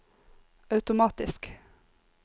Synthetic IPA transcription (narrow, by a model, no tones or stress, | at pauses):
ɑʉt̪ʊmɑːt̪ɪsk